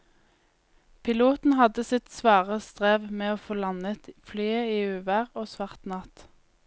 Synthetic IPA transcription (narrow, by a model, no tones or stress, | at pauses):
pʰɪluːt̪n̩hɑd̪əsɪt̪sʋɑːʁəst̪ʁeːʋmeːoːfoːlɑnət̪flyːəiːʉːʋæːʁoːsʋɑʁt̪nɑt̪